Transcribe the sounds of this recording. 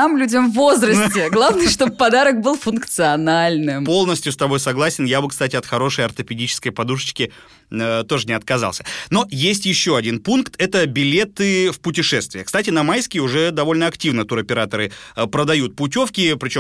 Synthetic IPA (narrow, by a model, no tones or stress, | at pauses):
amlʲudʲəmvːo̞zɾəsʲtʲɪɡlˠavnəjəʂt̪obəpɐd̪aɾək̚bɨlˠfʊnkt̪sɨɐnalʲnɨmpo̞lˠnəsʲtʲjʊst̪ɐbo̞jsɐɡlˠasʲɪnjabɨkst̪atʲɪɐt̪xɐɾo̞ʂəjɐrt̪əpʲɪdʲit͡ɕɪ̥skəjpɐd̪uʂə̥t͡ɕkʲɪ | t̪o̞ʐɨnʲɪɐt̪̚kɐzɑ̰lˠsʲə̥no̞jesʲtʲjɪɕːo̞ɐdʲinpunkt̪ɛt̪əbʲɪlʲe̞t̪ɨfpʊtʲɪʂɛst̪vʲɪjəkst̪atʲɪnɐmajskʲɪjʊʐɛd̪ɐvo̞lʲnəɐktʲivnət̪uɾɐpʲɪɾat̪əɾɨpɾəd̪ɐjut̪̚pʊtʲo̞fkʲɪpɾʲɪt͡ɕo